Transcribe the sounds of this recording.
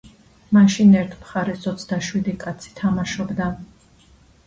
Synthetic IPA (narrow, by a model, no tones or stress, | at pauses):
maʃinɛɾt̪ʰmχaɾɛsɔt̪sʰd̪aʃwid̪ikʼat̪sʰi̥t̪ʰamaʃɔbd̪a